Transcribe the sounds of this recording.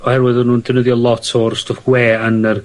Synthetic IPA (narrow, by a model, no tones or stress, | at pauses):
ɔhɛrwɪðɔnuːndənəðjɔlˠɔtʰɔrstɔfɡweːənər